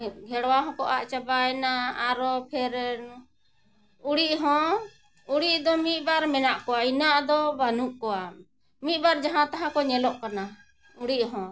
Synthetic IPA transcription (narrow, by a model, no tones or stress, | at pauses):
ɡʱɛɽwaɦɔ̃kɔʔaʔt͡ʃabaɛnaːɾɔpʰɛɾ | uɽiʔɦɔ̃ | uɽiʔd̪ɔmit̪̚ˀbaɾmɛnaʔkɔainaʔd̪ɔbanuʔkɔwa | mit̪̚baɾd͡ʒaɦãt̪aɦãkɔɲɛlɔʔkana | uɽiʔɦɔ̃